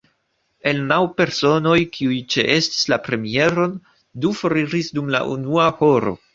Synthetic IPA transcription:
e̞lnawpe̞ɾso̞no̞jkʰiujt͡ʃe̞ʔe̞sti̥slapɾe̞mie̞ɾo̞n | dufoɾiɾisdumla̰ʔunuaho̞ɾo̞̰

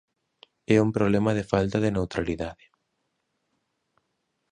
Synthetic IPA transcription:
ɛumpɾoβlɛmɐðefalt̪ɐðenewt̪ɾaliðaðɪ

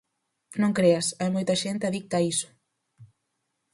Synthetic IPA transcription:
nõŋkɾeasajmojt̪ɐʒent̪ɐðik̚t̪aisu̥

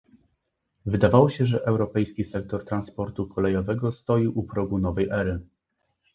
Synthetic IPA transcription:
vɘd̪avawɔɕɛʐɛʔɛwɾɔpɛjskʲisɛk̚t̪ɔɾt̪ɾanspɔɾt̪ukʰɔlɛjɔvɛɡɔst̪ɔjiʔupɾɔɡunɔvɛjʔɛɾɘ

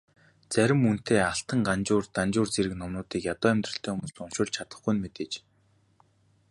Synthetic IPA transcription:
t͡sæɾʲɪ̆mun̥t̪ʰeːaɬt̪ə̆ŋɢant͡ɕʊːrt̪ant͡ɕʊːrt͡seɾɘ̆knɔmnʊːt̪iːkjat̪ɔːæmʲt̪rə̆ɬt̪ʰœːɦumʊ̆sʊnʃʊːɮt͡ɕʰat̪ə̆χɡujnmet̪eːt͡ɕ

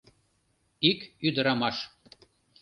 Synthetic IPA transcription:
ikyd̪əɾɑmɑʃ

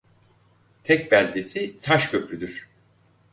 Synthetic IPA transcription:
t̪ʰɛc̚bælʲd̪esit̪ʰaʃcʰø̞pɾyd̪yɾ̥

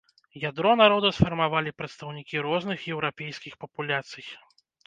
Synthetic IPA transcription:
jad̪ɾɔnaɾɔd̪ɐsfɐrmavalʲipɾɐt̪st̪ɐwnʲikʲiɾɔznɨxjɛwɾapʲejsʲkʲixpɐpulʲat̪sɨj

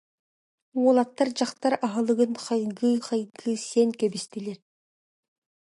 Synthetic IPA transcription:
uolˠɑt̪ːɑɾd͡ʒɑqt̪ɑɾɑɦɑlˠɯʁɯnqʰɑjɡɯχɑjɡɯseŋkebist̪ileɾ

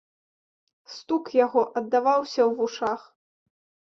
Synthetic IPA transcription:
st̪ukjaɣɔʔɐd̪ːavawsʲɐwvuʂax

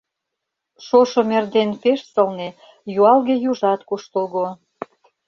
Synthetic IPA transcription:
ʃoʃomerd̪enpeʃsɤ̆lne | juɑlɣejuʒɑt̪kuʃt̪əlɣo

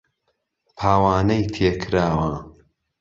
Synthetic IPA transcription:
pʰaːwaːnɐjt̪ʰekʰɾaːwɐ

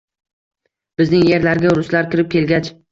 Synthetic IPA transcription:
b̥ɪznɪŋje̞ɾlaɾɡʲaʊɾʊslaɾkʲɪɾɪp̚kʲʰe̞lɡʲat͡ʃ

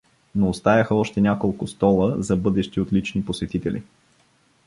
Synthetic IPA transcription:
noːst̪ajɐxəɔʃt̪ɛnʲakolˠkʊst̪ɔlˠəzɐbɤd̪ɛʃt̪iot̪lit͡ʃniposɛt̪it̪ɛlʲḭ

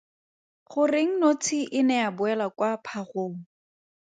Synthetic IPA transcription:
χʊrɪŋ̩not͡sʰɪʔɪnɛabʊɛlakwapʰaχoːŋ̩

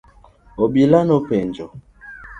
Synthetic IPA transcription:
obilanopend͡ʒɔ

